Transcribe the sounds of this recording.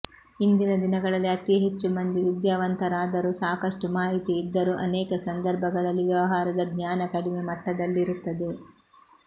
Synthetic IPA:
ind̪inɐd̪inɐɡɐɭɐlːiɐt̪iɦet͡ʃːumɐnd̪iʋid̪jaːʋɐnt̪ɐɾaːd̪ɐɾusaːkɐʂʈumaːɦit̪iːd̪ːɐɾuʔɐnɛːkɐsɐnd̪ɐɾbʱɐɡɐɭɐlːiʋjɐʋɐɦaːɾɐd̪ɐɡɲaːnɐkɐɽimemɐʈːɐd̪ɐlːiɾut̪ːɐd̪e

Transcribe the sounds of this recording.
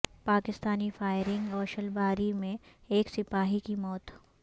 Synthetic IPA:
paːkɪst̪aːnifaːɪɾɪ̃ŋɡɔːɾʃɐlbaːɾimẽeːksɪpaːɦikimɔːt̪

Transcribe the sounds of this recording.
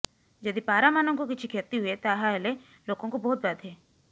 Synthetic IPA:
d͡ʒɐd̪ipaːɾamaːnõkokɪt͡ʃʰikʰeːɾt̪iɦʊet̪aːɦaɛle | loːɡõkobɔːʊt̪̚baːd̪ɦɛː

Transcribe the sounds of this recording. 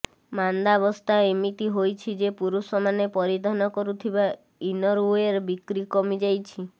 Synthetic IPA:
mand̪abɔst̪ʰaemit̪iɦojt͡ʃʰid͡ʒepuɾusɔmanepɔɾid̪ʱanɔkɔɾut̪ʰiba | inɔɾueɾbikɾikɔmid͡ʒajt͡ʃʰi

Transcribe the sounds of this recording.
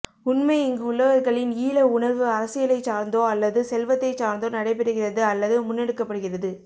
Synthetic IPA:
ʊnmɐɪɪŋɡɯʊɭːɐɣɐɾɣɐɭɪniːɭɐʊɳɐɾʋɯɐɾɐsɪɣɐlɐɪt͡ʃːaːɾnd̪oːɐlːɐðɯsɛlʋɐt̪ːɐɪt͡ʃaːɾnd̪oːnɐɽɐɪpɛɾɯɣɪrɐðɯɐlːɐðɯmʊnːɛɽɯkːɐpːɐɽɯɣɪrɐðɯ

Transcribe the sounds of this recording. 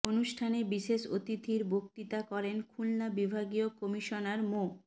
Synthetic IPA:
onuʃʈʰanebiʃeʃot̪it̪iɾbokt̪it̪akɔɾenkʰulnabibʱaɡiokomiʃonaɾmo

